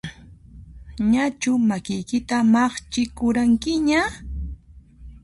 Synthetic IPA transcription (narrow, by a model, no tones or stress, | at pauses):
ɲat͡ʃʊmakɪjkɪt̪amɑχt͡ʃɪkʊɾaŋkɪɲa